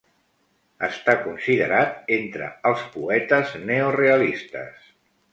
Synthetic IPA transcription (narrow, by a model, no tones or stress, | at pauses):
əst̪akunsiðəɾat̪̚ent̪ɾə̰əlˠspuɛt̪əzneoreəlist̪ə̰s